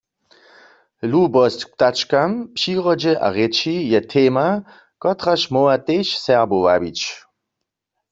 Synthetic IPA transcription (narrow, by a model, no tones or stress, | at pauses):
lubɔst͡ɕkpt̪at͡ʃkampʃiːʁɔd͡ʒɛʔa̰ʁɛt͡ʃijɛt̪ʰeːma | kɔt̪ʁaʃmɔwat̪eʃsɛʁbowa̰bit͡ʃ